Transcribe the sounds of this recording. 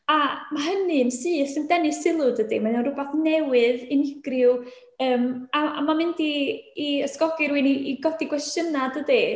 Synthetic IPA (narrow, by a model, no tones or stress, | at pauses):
amaɦənɨnsɨːɬɪmdɛnɨsɪlˠʊdədimananrʊbaθnɛwɨðɪnɪɡ̥rɪw | əːmaa̰mamɪndiː | əskɔɡɪɾwiniʔiɡɔdiɡwɛsənadədi